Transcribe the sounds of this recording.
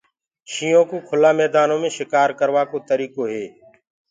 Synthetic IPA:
ʃiːõːkoːkʰʊlaːmɛːd̪aːnõːmẽːʃɪkaːɾkəɾʋaːkoːt̪əɾiːkoːɦeː

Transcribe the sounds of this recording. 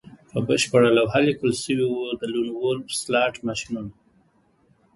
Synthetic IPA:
pəbəʃpəɽəlawɦalikəlsəwiwud̪əlunwolslɑʈmaʃnun

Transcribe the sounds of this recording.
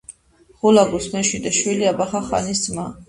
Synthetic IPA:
χulaɡusmɛʃid̪ɛʃwiliabaχaχa̰nisma

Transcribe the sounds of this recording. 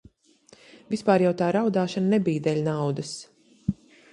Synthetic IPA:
vʲispaːɾjawt̪aːɾawd̪aːʃannebijd̪ɛlʲnawd̪ɐs

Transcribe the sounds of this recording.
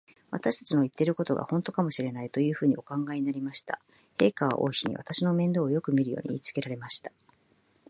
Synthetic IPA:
βa̰t̪aɕi̥t̪ḁt͡ɕino̞it̪ːe̞ɾɯ̟ko̞t̪o̞ɡa̰hõ̞nt̪o̞kamo̞ɕiɾe̞nait̪o̞jɯ̟ːɸɯ̟ːɲ̟io̞kãŋɡaiɲinaɾʲimaɕi̥t̪a̰ | he̞ːkaβa̰ʔo̞̰içiɲ̟ḭβa̰t̪aɕino̞mẽ̞nd̪o̞ːjo̞kɯ̟mʲiɾɯ̟jo̞̰ːɲ̟iḭːt͡sɨ̥ke̞ɾaɾe̞maɕi̥t̪ḁ

